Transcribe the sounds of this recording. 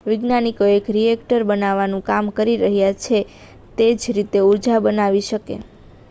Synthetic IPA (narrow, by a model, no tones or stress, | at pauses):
ʋɪɡnanikoekɾiɛkʈəɾbənaʋanũkamkəɾiɾəɦjat͡ʃʰe | t̪ed͡ʒɾit̪euɾd͡ʒabənaʋiʃəkḛ